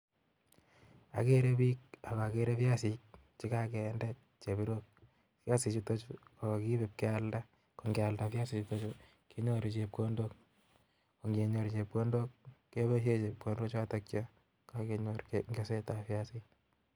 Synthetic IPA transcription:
a̰˨ke˦ɾe˦bi˦k̚a˨ka˨a˨ke˦ɾe˦fja˦si˨k̚ | t͡ʃi˦ka˦kɛ˨ndɛ˦t̚ | t͡ʃe˨bi˦ɾo˦k̚ | fja˦si˨t͡ʃito˦t͡ʃu˦a˨kɔ˨ki˦be˨p̚ke˦alda˦ | ko˨ŋɡɛ˨a˨ldafja˦si˨t͡ʃito˦t͡ʃu˦ | ke˦ɲo˦ɾit͡ʃep̚ko˦ndo˦k̚ | ko˨ŋɡe˨ɲo˨ɾt͡ʃe˨p̚ko˦ndo˦kːe˦be˦ʃ̬e˦t͡ʃe˨p̚kondo˦t͡ʃwa˦tokt͡ʃɔ | ka˦keɲo˦ɾŋɡe˦se˦ta˨fja˦si˦k

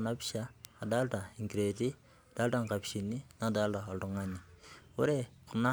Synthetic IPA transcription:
na˦pi̥˦ʃaː˦˨da˦lta˨i˨ŋki˨ɾe˨ti˦ | d̥a˦la˦˨ŋka˨pi̥ʃi˨nːi˦na˨˦da˦lta˨o˨ltu˦ŋa˦nːi˨wo˦ɾe˦˨ku˨na˦

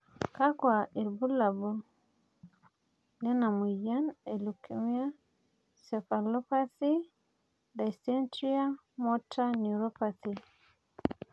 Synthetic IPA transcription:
ka˦kwa˨e˨lbu˦la˨bu˨ | lɛ˦na˨mu˨ja˦ne˨lu˨kʰimia˦ | sɛ˨fa˨lɔ˦pa˦θi˦ | da˨jsɛ˦ntɾi˦a˦ | mɔ˦tʰa˦nuɾɔ˦paθi

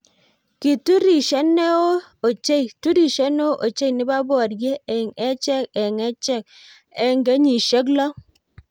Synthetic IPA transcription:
ki˨tu˦ɾi˨ʃɛ˦ne˦o˦ | o˨t͡ʃe˦tu˦ɾi˦˨ʃe˦no˦ʔo˨t͡ʃe˦i˨nɪ˦ba˦bɔ˨ɾɡe˦e˨ŋɛ˦t͡ʃɛ˦kɛ˨ŋɛ˦t͡ʃɛ˦k̚ | ɛ˦ŋɡe˦ɲi˨ʃe˦k̬lɔ˦

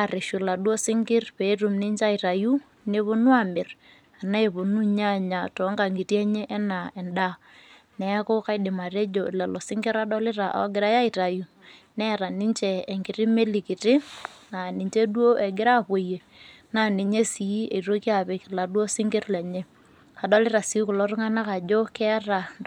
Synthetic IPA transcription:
a˦˨rɪ˨ʃu˨la˨dwo˦sɪ˦ŋɡɪ˦rpe˨i˦tʊ˨mnɪ˦ɲt͡ʃa˦ɪ˨ta˨ju˦ | ne˦βo˦nʊ˦a˦˨mɪ˨r | a˨na˦e˨po˨nu˦ɲa˦˨ɲa˨tɔ˨˦ŋɡa˨ŋɡɪ˨tjɛ˦ɲe˦ʔɛ˦na˨ɛ˨nda˦ | nɛ˨˦ko˦ka˦ɪ˦dɪ˨ma˨ɾe˦d͡ʒo˨lɛ˨lɔ˨sɪ˦ŋɡɪ˦ɾa˦dɔ˦lɪ˦ɾa˨ʔa̰˨˦ɡɪ˦ɾa˦ja˦ɪta˨ju˦ | nɛ˦˨ɾa˨ni˦nt͡ʃeː˨ŋɡɪ˨ɾɪ˦me˦lɪ˨kɪ˨tɪ˦na˨ni˨ɲt͡ʃe˦dwo˦ʔɛ˨ɡɪ˦ɾa˦˨po˨je˨ | na˦˨ne˨ɲe˦si˨˦e˨iɾo˦ki˦a˦˨pɛ˨kɪ˨la˨dwo˦sɪ˦ŋɡɪ˦ɾlɛ˨ɲe˦ | a˨dɔ˦lɪ˦ɾa˨si˨˦kʊ˨lɔ˦ɾʊ˦ŋa˦na˦ka˨d͡ʒo˦kɛ˦ɾa˨

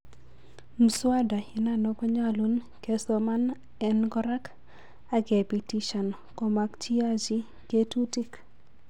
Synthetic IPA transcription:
m̩˨swa˦da˨i˨na˨nɔ˦kɔ˦ɲa˦lu˦n | ke˦so˨ma˦n | ɛnɡɔ˦ɾa˦k | a˦ɡe˨pi˨ti˦ʃa˨n | kɔ˨ma˦kt͡ʃi˦a˦d͡ʒi˦ | ke˦tu˦ti˦k

